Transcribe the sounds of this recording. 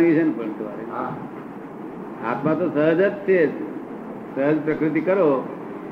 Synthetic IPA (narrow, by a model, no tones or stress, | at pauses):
ɡit͡ʃʰenpəɳt̪ʰʋa̰ɾe | a̰t̪mãt̪osəɦəd͡ʒət̪t͡ʃʰe | səɦəd͡ʒpɾəkɾɪt̪̬ikəɾo